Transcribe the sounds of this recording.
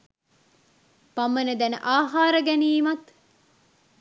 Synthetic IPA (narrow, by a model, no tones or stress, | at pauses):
pɐmːɐned̪æneʔaːɦaːɾɐɡɛniːmɐt̪